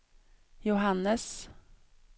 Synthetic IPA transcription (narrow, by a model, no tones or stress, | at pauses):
jʊɦanːəs